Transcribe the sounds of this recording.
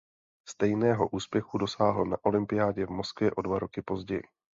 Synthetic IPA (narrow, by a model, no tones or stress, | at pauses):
st̪ɛjnɛːɦo̞ʔuːspjɛxudo̞saːɦl̩naʔo̞lɪmpɪjaːɟɛvmo̞skvjɛʔo̞dvaɾo̞kɪpo̞zɟɛjɪ̰